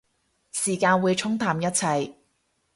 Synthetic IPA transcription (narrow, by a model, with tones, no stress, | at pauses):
siː˨˩kaː˧nwuː˨˧jt͡ʃʰʊ˥ŋt̪ʰaː˨mjɐ˥t̚t͡sʰɐ˧j